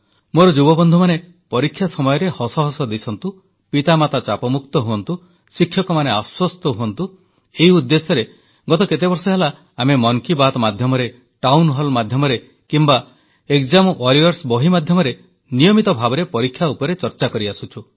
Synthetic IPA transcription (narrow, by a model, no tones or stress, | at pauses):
moɾɔd͡ʒubɔbɔnd̪ʱɔmane | pɔɾikʰːjasɔmɔjɔɾehɔsɔɦɔsɔd̪isʰɔnt̪u | pit̪amat̪at͡ʃapɔmukt̪ɔɦuɔnt̪u | sikʰːjɔkɔmaneaswɔst̪ɔɦuɔnt̪u | eɦiud̪ːesɔɾe | ɡɔt̪ɔket̪ebɔɾsɔɦelaː | memɔŋkibat̪ɔmad̪ʱjɔmɔɾe | ʈawnɦɔlmad̪ʱjɔmɔɾe | kimba | ekd͡ʒamʔɔɾijɔɾsbɔɦimad̪ʱjɔmɔɾe | nijɔmit̪ɔbʱabɔɾepɔɾikʰːjaupɔɾet͡ʃɔɾt͡ʃakɔɾiasut͡ʃʰu